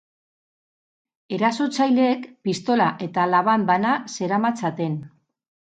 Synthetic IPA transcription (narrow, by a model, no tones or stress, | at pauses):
e̞ɾaso̞t͡sajle̞ːkpist̪o̞laʔe̞t̪alaβambanase̞ɾamat͡sat̪e̞n